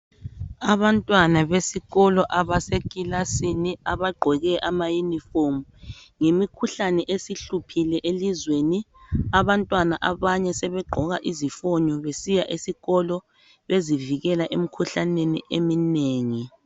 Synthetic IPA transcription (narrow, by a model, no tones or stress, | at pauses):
aβantʼwanaβesiɣɔlɔʔaβasekʼilasiniaβaɡ͡ǃʱɔɣɛʔamajunifomu | ŋemikʰuɬanɛʔesiɬupʰilɛʔelizweniaβantʼwanaʔaβaɲɛsɛβɛɡ͡ǃʱɔɣaʔizifɔɲɔβesijaʔesiɣɔlɔ | βeziviɣɛlaʔem̩kʰuɬanenḭʔemineːŋi